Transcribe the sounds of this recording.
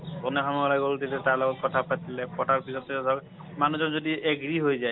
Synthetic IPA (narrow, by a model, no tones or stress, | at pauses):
kɔnekʰɔmɔlajɡolt̪ilɛtaɹlɔɡɔt̚kɔt̪ʰapat̪ilɛpɔʈaɹpisɔtɛsɔk | manuzɔnzodiʔeɡɹiɦojzaj